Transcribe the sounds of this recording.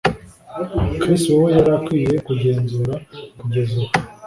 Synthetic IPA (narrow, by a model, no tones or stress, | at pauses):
kɾistuwojaɾakwiːje̞kuɟe̞ːnzuːɾakuɟe̞zua